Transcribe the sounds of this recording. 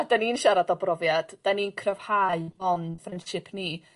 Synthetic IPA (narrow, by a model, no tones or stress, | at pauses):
adaninʃaɾadɔbrɔvjad̥d̥aninkʰrəv̥haɨbɔnfrɛndʃɪpʰni